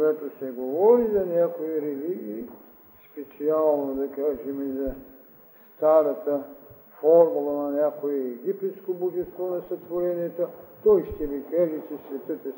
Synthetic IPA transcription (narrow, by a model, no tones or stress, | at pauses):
ɡat̪osɛɡovɔɾizɐnʲakoiɾɛliɡʲiː | spɛt̪sialˠnod̪ɐkaʒɛmɛzɐ | st̪aɾɐt̪ə | fɔɾmulˠənɐnʲakoɛɛɡipɛt̪skoboʒɛnst̪vɔnɐsɐt̪voɾɛniɛt̪ot̪ɔjʃt̪ɛvikaʒɛt͡ʃɛsvɛt̪ət̪ə